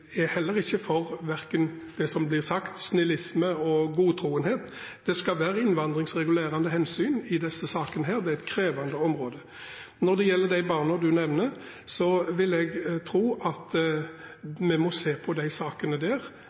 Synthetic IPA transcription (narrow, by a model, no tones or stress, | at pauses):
ɛhɛlːəɾɪçːəfɔʁʋæʁkən | d̪̥ɛsɔmblɪʁsɑkt̪snɪlɪsməɔɡuːt̪ʰɾuːənheːt̪d̪̥ɛskɑʋæːɾəɪnʋɑnd̪ʁɪŋsʁɛɡʉleːɾɑnd̪əhɛnsyːnɪd̪ɛsːəsɑːkənəɦæːʁd̪ɛæɛɪt̪̚kʰɾeːʋɑnd̪əɔmɾoːd̪ə | nɔʁd̪ɛjɛlːəʁd̪æɪbɑːʁnɔd̪ʉnɛʋnə | sɔʋɪlɛɡt̪ʰɾuːʔɑt̪ | mɛmɔseːpʰɔd̪æɪsɑːkənəd̪æːʁ